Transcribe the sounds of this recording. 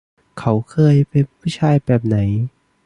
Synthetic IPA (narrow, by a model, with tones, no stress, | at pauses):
kʰa˦˥wkʰɤː˧jpe˧npʰːpʰːuː˥˩t͡ɕʰaː˧jbɛː˨˩p̚na˩˦j